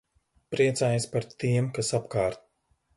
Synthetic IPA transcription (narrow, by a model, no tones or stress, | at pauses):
pɾiɛt̪saːjaspaɾt̪iɛmkasapkaːɾt̪̚